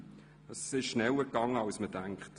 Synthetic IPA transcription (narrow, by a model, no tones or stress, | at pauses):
əsɪʃʃnɛləɡɑŋəɑwsmədæŋkχt